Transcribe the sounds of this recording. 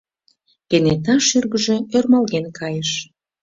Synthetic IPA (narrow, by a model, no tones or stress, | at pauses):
kenet̪ɑʃyrɣəʒĕørmɑlɣenkʰɑjəʃ